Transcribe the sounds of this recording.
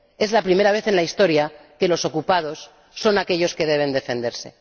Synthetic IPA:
e̞zlapɾime̞ɾaβ̞e̞θe̞nlaist̪o̞ɾjake̞lo̞so̞kupað̞o̞sː | o̞nake̞ʎo̞ske̞ðe̞β̞e̞nd̪e̞fe̞nd̪e̞ɾse̞̰

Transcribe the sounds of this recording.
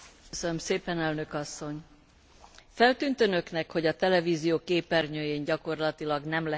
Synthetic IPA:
sønømseːpɛnɛlnøkɒsːo̞ɲ | fɛlt̪yːnt̪ønø̞knɛkho̞ɟɒt̪ɛlɛviːzijoːkeːpɛrɲøːjeːɲɟɒko̞rlɒt̪ilɒɡnɛmlɛ

